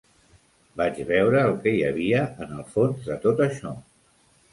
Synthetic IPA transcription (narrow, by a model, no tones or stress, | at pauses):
bad͡ʒβɛwɾəːlˠkɛjəβiəənəlˠfonzðət̪ot̪əʃɔ